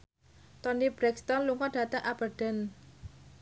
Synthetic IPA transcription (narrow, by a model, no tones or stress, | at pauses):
t̪ɔnib̥ɾɛkst̪ɔnluŋɔɖ̥ä̤t̪əŋʔab̥ərɖ̥ən